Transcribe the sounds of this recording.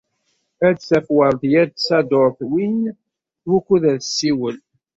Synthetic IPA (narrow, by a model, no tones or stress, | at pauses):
æd̪θæfwəɾˤðjæd̪sæd̪oɾˤθwin | θwukːuðæðsːiwəl